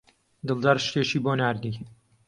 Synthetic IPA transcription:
d̪ɨlˠd̪ɐɾʃt̪eʃiːboːnaːɾd̪i

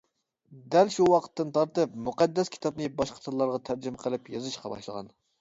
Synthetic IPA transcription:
d̪ɛlʃuwɑqʰə̥t̪ːɨnt̪ʰɑɾt̪ɨp̚muqæd̪ːɛskʲʰi̥t̪ʰɑp̚nɨbɑʃqʰə̥t̪ʰɨlˠɑɾʁɑt̪ʰæɾd͡ʒɪmɛqʰəlˠɨpjɑzɨʃqɑbɑ̰ʃlˠəʁɑ̰n

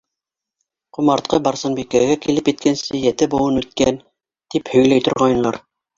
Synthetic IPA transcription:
qŭmɑɾt̪̚qɤbɑɾsɤnbikæɡækilɘpjɘ̆t̪̚kʰænsɘjæt̪ɘbuw̪ˠɤnʉt̪̚kæn | t̪iphɵ̆jlæjt̪ŏɾʁɑjɤ̆lˠɑɾ

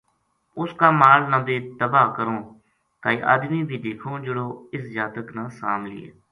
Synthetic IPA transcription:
ʊskaːmaːlnãːd̪eːt̪əbaːkəɾõː | t̪aːiːʔə̰ːd̪niːbʱiːd̪eːkʰõːd͡ʒəɽoːɪsd͡ʒaːt̪əknãːsaːmlɪ̰ḛː

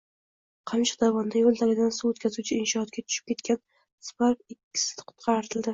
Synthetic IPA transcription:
qʰɑnt͡ʃʰḁd̪avɒnd̪ajolˠt̪ʰalʲɪd̪ansuwot̪kʲazuwt͡ʃʰɪɪnʃɒhɒt̪̚kʲat̪ʰʊ̥ʃɪ̥p̚kʲʰe̞t̪kʲan | spaɾfɪkʲːɪ̥sɪ̥d̪qʰʊ̥t̪qʰɑɾɪt̪ʰɪld̪ɪ

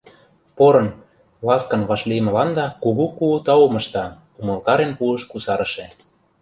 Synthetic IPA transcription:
poɾɤ̆n | lɑskɤ̆nβɑʃlimə̆lɑnd̪ɑkuɣukuut̪ɑumɤ̆ʃt̪ɑ | umɤ̆lt̪ɑɾenpuəʃkusɑɾə̆ʃe

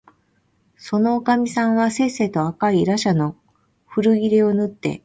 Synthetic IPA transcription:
so̞no̞ːkamʲisãɰ̃βase̞ːse̞ːt̪o̞akaiɾaɕano̞ | ɸɯ̟ɾɯ̟ɡʲiɾeo̞nɯ̟t̪ːe̞̰

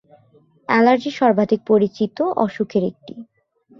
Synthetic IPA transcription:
ɛlaɾd͡ʑiʃɔɾbʱad̪ʱik̚poɾit͡ɕit̪oʔɔʃukʰeɾḛk̚ʈi

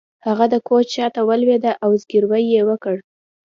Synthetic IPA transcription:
haɣad̪əkot͡ʃt͡ʃɑt̪awəlwed̪aʔawzɡiɾwəjːewəkəɽ

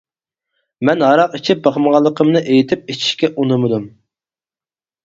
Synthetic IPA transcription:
mɛnɦɑɾɑqit͡ʃʰip̚bɑχməʁɑlˠːəqʰəmnɨʔejit̪ʰɪp̚et͡ʃʰi̥ʃkʲɛʔunɨmɨd̪um

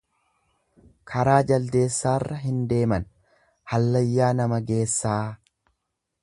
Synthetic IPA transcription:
kʰɐɾaːd͡ʒɐld̪e̞ːsːaːrːɐɦɪnd̪e̞ːmɐn | hɐlːɐjːaːnɐmɐɡe̞ːsːaː

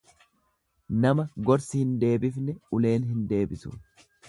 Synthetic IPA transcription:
nɐmɐɡɔɾsɪhɪnd̪e̞ːbɪfnɛʊle̞ːnɦɪnd̪e̞ːbɪsʊ̰

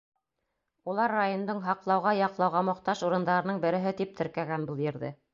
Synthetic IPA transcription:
ulˠɑɾːajond̪ɤɴɦɑqlˠɑwʁɑjɑqlˠɑwʁɑmŏqt̪ɑʃuɾɤ̆nd̪ɑɾɤ̆nɤɴbɘ̆ɾɘ̆ɦɘt̪ip̚t̪ɘ̆ɾkæɡænbɤlˠjɘ̆ɾðɘ̰

